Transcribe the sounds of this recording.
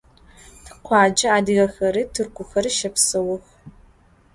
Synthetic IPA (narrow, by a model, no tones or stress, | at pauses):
qʷʰɑːd͡ʒɐaːdɨɣɐxɐɾitʰɨrkʷʊxɐrʃɐpsɐwʊx